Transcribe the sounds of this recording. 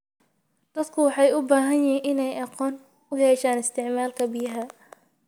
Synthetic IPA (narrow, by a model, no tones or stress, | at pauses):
d̪̥ɐd̪kʰʊwɑħɑjʊbaːɦɐjjɪinʔɪnɛjʔɑqɔːn | ʊɦɛːʃaːnɪst̪ɪʕmaːlkʰɐbɪjɦa